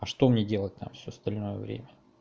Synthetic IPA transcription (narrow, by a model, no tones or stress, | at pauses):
ɐʂt̪o̞mnʲedʲe̞lˠət̚ʲt̪a̰mfsʲost̪ɐlʲno̞jəvɾʲḛmʲə